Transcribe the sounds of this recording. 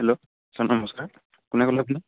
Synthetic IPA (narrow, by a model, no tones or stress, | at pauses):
hɛlo | sanɔmɔskaɹ | kʊnɛkɔlabnɛ